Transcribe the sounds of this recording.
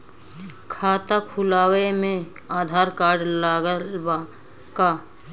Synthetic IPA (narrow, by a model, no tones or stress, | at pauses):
kʰaːt̪akʰʊlaːwemẽ | aːd̪ʱaːɾkaːɾɖlaɡəla | ka